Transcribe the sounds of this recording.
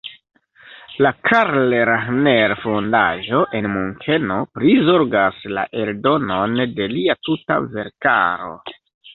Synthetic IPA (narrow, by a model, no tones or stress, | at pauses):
lakʰaɾleɾaneɾfondaʒo̞ʔe̞nmuŋkʰe̞no̞pɾizo̞ɾɡasla̰ʔe̞ldo̞no̞nde̞liatuta̰ve̞̰ɾka̰ɾo̞̰